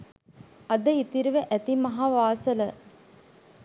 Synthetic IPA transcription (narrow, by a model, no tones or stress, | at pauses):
ɐd̪ɐit̪iɾʋɐʔæt̪imɐɦaːʋaːsɐlɐ